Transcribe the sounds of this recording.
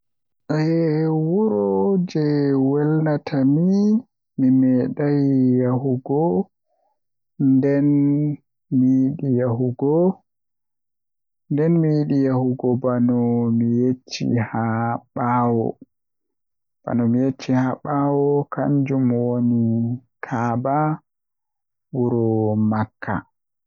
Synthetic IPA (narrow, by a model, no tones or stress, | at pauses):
ʔɛwuɾɔd͡ʒɛwɛlnatʰami | mimɛɗajjaɦuɡɔ | ndɛn | mijiɗijaɦuɡɔ | ndɛnmijiɗijahuɡɔbanɔmijet͡ʃːḭhaɓawɔ̰ | b̥a̰nɔmijet͡ʃːihaɓawɔkʰa̰ɲd͡ʒumwonikʰaːba | wuɾɔmakʰːa̰